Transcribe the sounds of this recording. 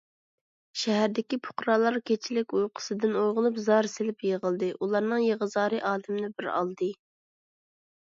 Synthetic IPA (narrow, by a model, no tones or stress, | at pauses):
ʃɛɦæɾd̪ɪkʲipʰʊ̥qɾɑlˠɑɾkʲʰet͡ʃʰilɪkʲujqʰə̥sɨd̪ɪnojʁʊlˠupzɑɾsɪlɪpjeʁəlˠd̪ɨʔulˠɑɾnɨŋjeʁəzɑːɾɨʔɑːd̪ɪmnɪbɪɾɑ̰lˠd̪ɨ